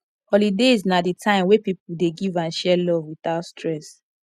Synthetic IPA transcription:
hɔlideznaditʰãɪ̃mwepipudeɡivãnʃɛlɔvwiθaʊtstɹɛs

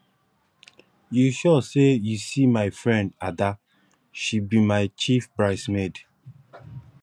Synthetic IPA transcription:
juʃɔsejusimaɪfɹɛ̃ndada | ʃibimaɪt͡ʃifpɹaɪsmed

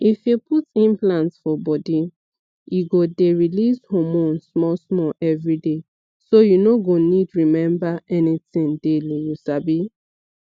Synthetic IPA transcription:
ifjupʰutĩmplãntsfɔbɔdi | juɡodeɹilishɔmɔ̃nsmɔsmɔʔɛvɹide | sojunoɡonidɹimɛ̃mbaɛnitĩndelijusabi

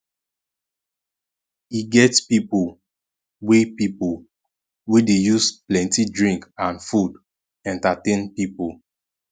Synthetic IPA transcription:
iɡɛtspipol | wepipo | wedejusplɛ̃ntidɹĩŋkãnfud | ɛ̃ntatẽnpipol

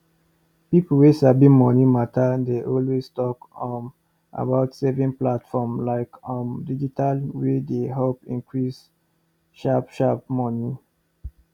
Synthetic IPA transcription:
pipl̩wesabĩmɔnimatʰadeʔɔlwestɔkɔm | ʔa̰baʊtsɛvĩŋplatfɔmlaɪkɔ̃mdid͡ʒitʰalwedeɦopḭ̃nkɹis | ʃapʃap̚mɔni

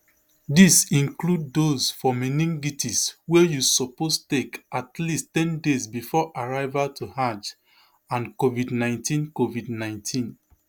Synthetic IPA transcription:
disĩŋkludːosfɔminĩŋɡitiswejusɔpostekʔatlistɛ̃ndezbifɔʔaɹaɪvatʰuhãt͡ʃ | ãnkovidnãɪ̃ntʰĩnkovidnãɪ̃ntʰĩn

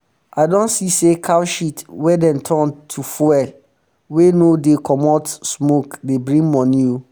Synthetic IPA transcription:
ʔaɪdɔ̃nsisekʰawʃitwɛdɛ̃ntʰɔ̃ntʰufɔɛ | wenodekʰɔmɔtsmokdebɹĩŋmɔ̃niju

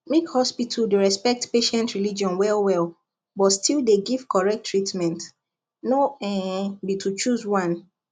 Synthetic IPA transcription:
mekhɔspitʰuldeɹɛspɛk̚tpeʃɛ̃ntɹilid͡ʒɔ̃nwɛlˠwɛl | bɔtstʰilˠdeɡiv̥kʰɔɹɛk̚tʰːɹitmɛ̃nt | noɛ̃bitʰut͡ʃuzwãn

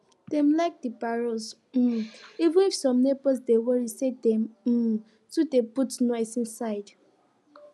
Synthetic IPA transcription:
d̥ɛ̃mlaɪk̚dibaɹɔs | m̩ivĩnifsɔ̃mnebɔsdewɔɹisedɛ̃m̩ | tudeputnɔɪsĩnsaɪd

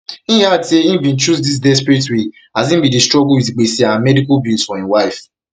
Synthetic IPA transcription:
ĩateĩbĩn̩t͡ʃusdis̬dɛspɾitwi | azĩn̩bidistɹɔɡowitiɡ͡besiawamɛdikɔbilsfɔĩwaɪf

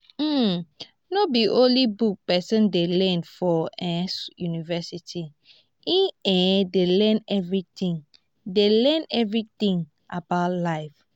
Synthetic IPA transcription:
m̩ | nobiʔõlibuk̚pɛsɛ̃ndelɛ̃nfɔɛ̃sjunivɛsitʰi | ĩɛ̃delɛ̃nɛvɹit̪ĩŋ | delɛ̃nɛvɹit̪ĩŋ | ʔabaʊtlaɪf

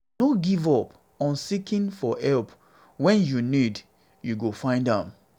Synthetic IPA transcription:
noɡivɔp | ɔ̃nsikĩnfɔɛlp | wɛ̃njunid | juɡofãɪ̃ndãm

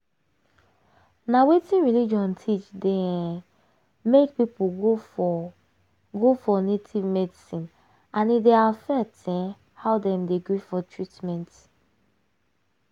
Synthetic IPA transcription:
nawetĩnɹilid͡ʒɔ̃ntʰit͡ʃdɛ̃ | mek̚pipuɡo | ɡofɔnetʰivmɛdisĩn | ãnideafɛtʰɛ̃ | haʊdɛ̃mdeɡɹifɔtʰɹitmɛ̃nt

